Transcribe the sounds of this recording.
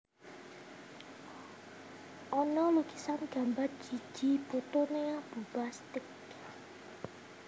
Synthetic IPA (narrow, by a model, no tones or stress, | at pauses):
ʔɔnɔluki̥sanɡ̥a̤mbard̥d͡ʒ̥i̤̥ʒ̥i̤b̥ot̪oneab̥ubast̪ɪk